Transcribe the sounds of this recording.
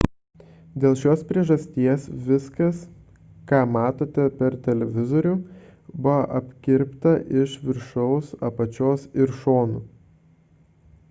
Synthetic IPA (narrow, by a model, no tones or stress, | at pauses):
d̪ʲeːlˠʃʲoːspʲɾʲiɛʒɐsʲt̪ʲiɛsʋʲɪskɐs | kɑːmɑːt̪oːt̪ʲɛpʲɛɾt̪ʲɛlʲɛʋʲɪzoɾʲʊbʊʋɐʔɐpʲkʲɪɾʲpt̪ɐʔɪʃʋʲɪɾʃɔʊsɐpɐt͡ʃʲoːsɪɾʃoːnuː